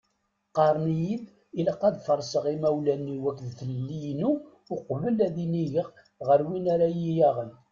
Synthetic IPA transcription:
qɑɾˤnijið | iləqːæðfəɾˤsəʁimæwlænːiwækːðθəllːijnu | ʊqvəlæðiniʝəʁ | ʁəɾwinaɾajijæʁən

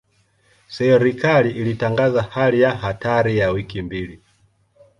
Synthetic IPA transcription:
sɛɾikaliʔːlitaŋɡazahalijahataɾijawikimbili

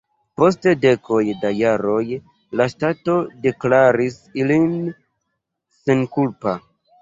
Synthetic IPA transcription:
po̞s̬tede̞kʰo̞jdajaɾo̞j | laʃtato̞de̞klaɾis | ilin | senkulpa

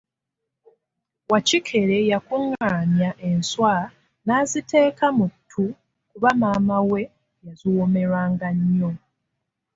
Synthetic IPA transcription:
wacikʰe̞ɾe̞jakuŋːaːnjaʔe̞nswa | naːzitʰe̞ːkamutʰːu | kuβamaːmawe̞ | jaziwome̞ɾwaːŋɡaɲːo

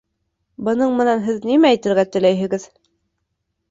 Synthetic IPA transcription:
bɤ̆nɤɴmɤ̆nænɦɘðnimæːjt̪ɘ̆ɾɡæt̪ɵ̆læjɘ̆ɡɘð

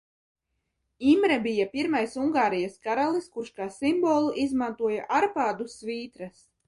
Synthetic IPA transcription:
imɾɛbʲijapʲiɾmajsuŋɡaːɾijaskaɾalˠiskuɾʃkaːsimbɔːlˠuʔizmant̪uɔjaʔaɾpaːd̪usviːt̪ɾɐs

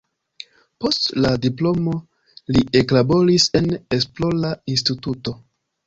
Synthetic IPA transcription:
po̞stladiplo̞mo̞ | lieklabo̞ɾise̞ne̞splo̞lains̬tituto̞

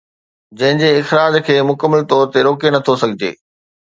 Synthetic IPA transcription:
d͡ʑɐ̃ɦɪ̃ɲd͡ʑeɪxɾaːd͡ʑkʰeːmʊkəmːəlt̪ɔːɾt̪eɾoːkenɐt̪ʰosɐɡʱɪd͡ʑḛː

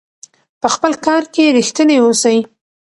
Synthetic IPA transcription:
pəxpəlkɑɾkeɾixt̪ənewosəj

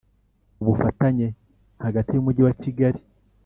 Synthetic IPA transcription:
uβufataɲe̞ | haɡatijumuɟiwaciɡaɾi

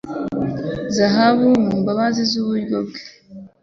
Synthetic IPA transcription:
zaɦaβumumbaβazizuβuɾɡob̚ɡe̥

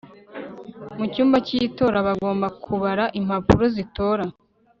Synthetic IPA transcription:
mucuːmbacito̞ːɾaβaɡo̞ːmbakʰuβaɾaʔim̥hapuɾozito̞ːɾa

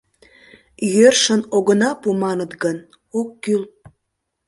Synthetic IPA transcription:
jørʃənoɣənɑpumɑnət̪ɡən | okːyl

